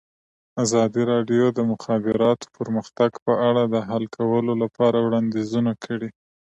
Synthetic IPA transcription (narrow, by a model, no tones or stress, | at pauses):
azɑd̪iɾɑɖjod̪əmʊxɑbɪɾɑt̪o̥pəɾməxt̪aɡpəʔaɽad̪əɦalkʰawəlolapɑɾawɽɑnd̪ezunakʰəɽi